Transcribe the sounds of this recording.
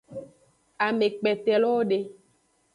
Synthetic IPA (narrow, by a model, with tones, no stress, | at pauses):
a˨me˨k͡pɛ˨t̪ɛ˨lɔ˦wo˦ɖe˦